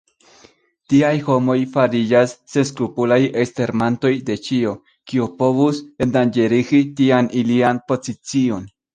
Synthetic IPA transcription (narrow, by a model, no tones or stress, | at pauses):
tiajho̞mo̞jfaɾid͡ʒasːe̞nskɾupulajeste̞ɾmanto̞jde̞t͡ʃio̞ | kiopo̞vusendand͡ʒe̞ɾiɡitianʔilianpo̞zit͡sio̞n